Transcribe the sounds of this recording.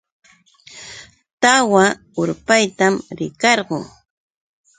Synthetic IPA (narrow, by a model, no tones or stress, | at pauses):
t̪awa | ʊɾpajt̪amɾɪkɑɾɢʊŋ